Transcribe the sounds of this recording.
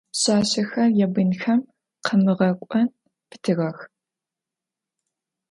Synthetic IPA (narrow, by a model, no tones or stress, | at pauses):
ɕaːɕɐxɐrjɛbɨnxɐm | qɐmɨʁɐkʷʼɔn | pʰɨ̥tʰɨʁɐx